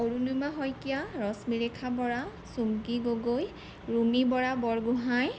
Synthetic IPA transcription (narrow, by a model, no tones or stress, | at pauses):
oɹunujmaɦɔjkijaɹɔsmiɹɛkʰabɔɹa | sumkiɡoɡoj | ɹumibɔɹabɔɹɡuɦaj